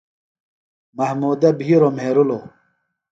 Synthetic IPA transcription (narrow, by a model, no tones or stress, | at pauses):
mɐhmuːd̪ɐbiːɾomeɾulo